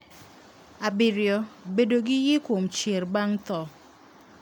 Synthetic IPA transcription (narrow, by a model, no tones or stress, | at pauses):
abɪɾjɔbedoɡɪjɪkwomt͡ʃerbaŋt̪ɔ